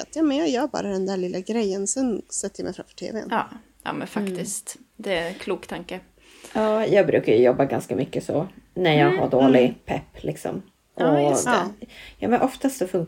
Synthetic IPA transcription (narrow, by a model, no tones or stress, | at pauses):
at̪jɑːmɛnjɑjɑbɑ̰ːɾad̪ɛnd̪æɭɪlːaɡɾɛjːənsɛnsɛt̪ːəjamʔɛ̰jfɾa̰mfœ̥ʈʰḛːvḛn | jɑ̰ːmɛnfakt̪ɪst̪ | d̪ɛkʰluːkt̪ʰaŋkə | ɑːjɑːɡ̚bɾʉ̟ːkajɵjɔbːaɡanskamʏkːəsɔnæɾjɑːɡɦaɖoːlɪpʰɛpːlʔɪksɔ̰m | ʔɔ | jɑ̰ːmɛnʔɔft̪ast̪sɔfɵŋ